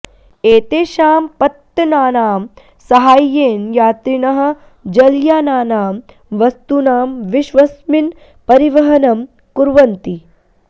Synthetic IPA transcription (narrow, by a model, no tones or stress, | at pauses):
eːt̪eːʃaːmpɐt̪ːɐnaːnaːm | sɐɦaːjːeːnjaːt̪ɾiɳɐɦɐ̆ | d͡ʒɐljaːnaːnaːm | ʋɐst̪unaːmʋiʃʋɐsmin | pɐɾiʋɐɦɐnɐm | kuɾʋɐnt̪i